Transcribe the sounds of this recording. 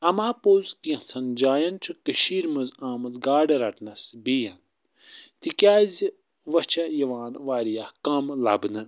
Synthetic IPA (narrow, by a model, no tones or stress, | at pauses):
ɐmaːpoːzkiɐ̃t͡sʰɐnd͡ʒaːjɐnt͡ʃʰukəʃiːɾmɨzãːmɐzɡaːɖɐɾɐʈnɐsbiːjɐn | t̪ikʲjaːzi | ʋɐt͡ʃʰɐjɐʋaːnʋaːɾijahkɐmlɐ̰bnɐn